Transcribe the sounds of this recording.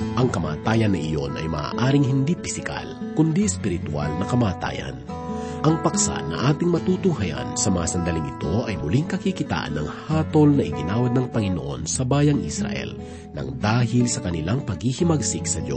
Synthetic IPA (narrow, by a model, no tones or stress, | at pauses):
ʔɐŋkɐma̰ːt̪aːjɐnːɐʔɪjo̞nɐ̰jmɐ̰a̰ːʔaːɾɪŋɦɪnd̪ipɪsɪka̰l | kʊnd̪iɛspɪɾɪt̪ʊa̰lnɐkɐmaːt̪a̰ːjɐ̰n | ʔɐŋpɐksa̰nɐ̰ʔaːt̪ɪŋmɐt̪ut̪uhajɐ̰nsɐmɐŋasɐnd̪ɐliŋʔɪt̪o̞ʔɐjmʊliŋkɐkikɪt̪a̰ːʔɐ̰nːɐ̰ŋhaːt̪o̞lnɐʔɪɡɪnaːwɐd̪nɐŋpɐŋɪnoʔo̞̰nsɐbaːjɐŋʔḭsɾɐ̰ʔɛ̰l | nɐ̰ŋd̪aːɦɪlsɐkɐnɪlaŋpɐɡhihɪmɐɡsiksɐd̪jo